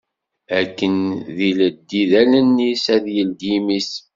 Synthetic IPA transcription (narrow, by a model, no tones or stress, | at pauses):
ækːənðiləd̪ːiðælənːisæðjəld̪imis